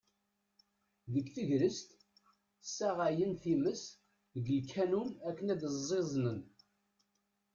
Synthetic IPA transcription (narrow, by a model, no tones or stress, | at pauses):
ðəkːθəʝɾəst̪ | sːæʁajənθiməs | əɡəlkʰːænunækːənæd̪əzˤːezˤnən